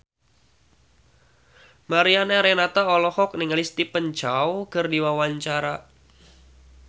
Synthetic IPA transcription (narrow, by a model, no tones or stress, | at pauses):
maɾianaɾɛnat̪aɔlɔhɔk̚nɪŋlist̪ipəɲt͡ʃawkərdiwawaɲt͡ʃaɾa